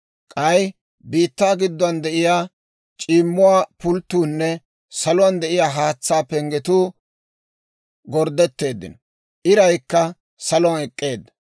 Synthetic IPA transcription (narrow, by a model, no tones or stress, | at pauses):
kʼɐj | biːt̪ːaːɡɪd̪ːɔɐnd̪ɛʔɪjaː | t͡ʃʼiːmːʊwaːpʊlt̪ːuːnːɛ | sɐlʊwɐnd̪ɛʔɪjaːɦaːt͡sːaːpɛŋɡɛt̪uː | ɡɔɾd̪ːɛt̪ːe̞ːd̪ːɪ̰nɔ | ʔɪɾɐjkːɐ | sɐlɔanɛkʼːe̞ːd̪ːɐ